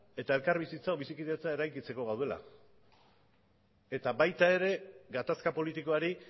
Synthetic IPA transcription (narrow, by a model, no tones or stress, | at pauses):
e̞t̪ae̞lkaɾβisit͡saoβisikiðet͡sae̞ɾajkit͡se̞ko̞ɣawðe̞la̰ | e̞t̪aβajt̪ae̞ɾe̞ɡat̪askapo̞lit̪iko̞aɾi